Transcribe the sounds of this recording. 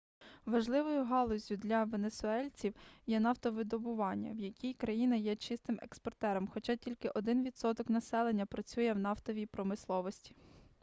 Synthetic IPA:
ʋɐʒlˠɪʋɔjʊɦɑlˠɔzʲjʊd̪lʲɐʋenesʊɛlʲt͡sʲiwjɛnɑwt̪ɔʋɪd̪ɔbʊʋɑnʲːɐ̰wjɐkʲijkɾɐjinɐjɛt͡ʃɪst̪ɪmḛkspɔrt̪ɛɾɔmxɔt͡ʃɑtʲilʲkɪʔɔd̪ɪnʋʲid̪sɔt̪ɔknɐsɛlˠe̞nʲːɐpɾɐt͡sʲujɛwn̪ɑwt̪ɔʋʲijpɾɔmɪslˠɔʋɔsʲtʲi̥

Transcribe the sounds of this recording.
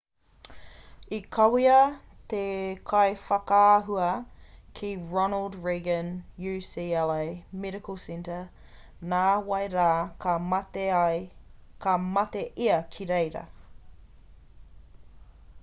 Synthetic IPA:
ikʰɐwiɐ | t̪ekʰɐjfɐkaaɦuɐkʰiɹɔnəlˠdɹeɡə̃njʉsiːɛlemɛɾɪkolsɛ̃ntə | naːwɐjɾaːkʰɐtejkʰɐmɐt̪eʔiɐkʰiɾejɾɐ̰

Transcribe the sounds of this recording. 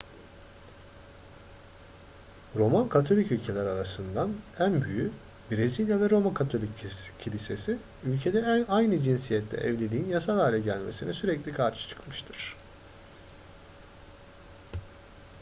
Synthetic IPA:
ɾo̞mankʰat̪ʰo̞lʲicylʲcʰe̞lʲæɾaɾasɯnd̪anænbyjy | biɾezilʲjavɛɾo̞makʰat̪ʰo̞lʲicʰːilʲise̞si | ylʲcʰe̞d̪ɛajnɯd͡ʒinsijɛt̪lʲɛ̰ʔɛ̰vlʲelʲiːinjasalˠaːlʲɛɟælʲme̞̰sinɛsyɾɛclʲikʰaɾʃɯ̥t͡ʃʰɯ̥kmɯʃt̪ʰɯɾ̥

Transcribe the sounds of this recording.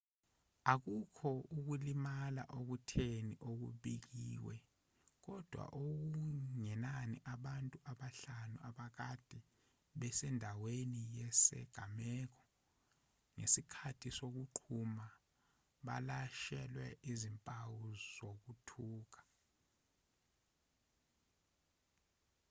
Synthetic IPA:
ak̬ukʰɔuk̬ulimala̰ʔok̬utʰeniʔok̬ṵɓik̬iːwɛ | k̬ɔd̥ʱwa̰ʔok̬uuŋɛnaniʔaɓantʼuʔaɓaɬanuaɓak̬ad̥ʱi | ɓɛsɛndʱawenijɛsɛ̰ɡ̥ʱamɛːk̬ɔ̥ | ŋḛsikʰatʰisok̬uǃʰuma | ɓa̰laʃɛlwɛʔizimpʼawuzok̬utʰuːk̬ḁ

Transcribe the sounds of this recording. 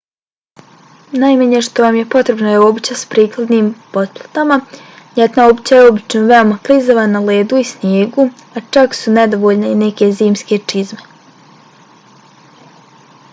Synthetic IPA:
najmaɲeʃt̪o̞ʋamje̞po̞t̪ɾe̞bnajeobit͡ɕaspɾiːklˠad̪niːmpo̞d̪̚plˠat̪ama | jet̪naobit͡ɕajeo̞bit͡ʃnoʋe̞o̞maplˠizoʋanale̞ːd̪uisnjeːɡu | at͡ʃaksune̞d̪o̞ʋoʎne̞ine̞ke̞ziːmske̞t͡ʃizme̞

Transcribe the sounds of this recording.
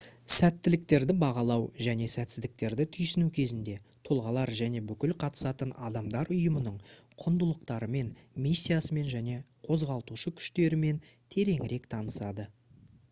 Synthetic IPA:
sæt̪ːɪlɪk̚t̪e̞ɾd̪ɪbɑʁɑlˠɑwʒæne̞sæt̪sɪzd̪ɪk̚t̪e̞ɾd̪ɪt̪ʰʏjsɪnukʲʰe̞zɪnd̪e̞ | t̪ʰo̞lˠʁɑlˠɑɾʒæne̞bʏkʲɪlqʰɑt̪ə̥sɑt̪ənɑd̪ɑmd̪ɑɾʊjəmənəɴ | qʰʊnd̪əlˠəq̚t̪ɑɾəme̞nmisʲːijasəme̞nʒæne̞ | qʰo̞zʁɑlˠət̪uʃəkʲʰʏ̥ʃt̪e̞ɾɪme̞n | t̪ʰe̞ɾe̞ŋɪɾe̞kt̪ʰɑnəsɑd̪ə

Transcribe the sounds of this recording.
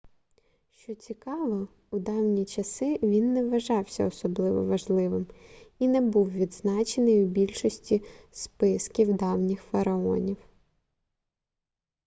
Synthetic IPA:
ʃt͡ʃɔt͡sʲikɑʋɔ | ud̪ɑwnʲit͡ʃɐsɪʋʲinːɛʋɐʒɑwsʲɐ̰ɔsɔblˠɪʋɔ̰ʋɐʒlˠɪʋɪminɛbuwʋʲid̪znɑt͡ʃenɪjubʲilʲʃɔsʲtʲispɪskʲiwd̪ɑwnʲɪxfɐɾɐɔ̰nʲiw

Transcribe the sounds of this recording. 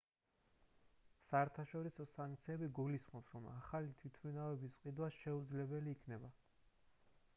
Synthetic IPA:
saɛɾt̪ʰaʃɔɾisɔsaŋk̚t̪sʰiɛbiɡulisχmɔpsɾɔma̰χalit̪ʰwit̪ʰminavɛbisqʼid̪wasʃɛud̪zlɛbɛliːkʰnɛba

